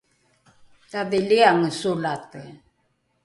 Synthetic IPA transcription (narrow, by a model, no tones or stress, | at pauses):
taðiliaŋəsulat̪ə